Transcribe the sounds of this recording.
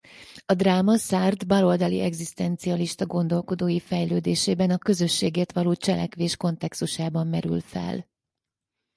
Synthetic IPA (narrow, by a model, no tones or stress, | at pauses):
ɒd̪raːmɒsaːrd̪bɒlo̞ld̪ɒlḭʔɛɡzist̪ɛnt̪siɒliʃt̪ɒɡo̞nd̪o̞lko̞d̪oːjifɛjløːd̪eːʃeːbɛnɒkø̞zø̞ʃːeːɡeːrt̪ʋɒloːt͡ʃɛlʔɛ̰kʋeːʃko̞nt̪ɛkst̪uʃaːbɒmːɛɾy̰lfɛ̰l